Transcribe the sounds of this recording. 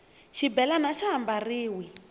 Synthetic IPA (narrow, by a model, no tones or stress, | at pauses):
ʃibɛlanaʃaɦambariːwi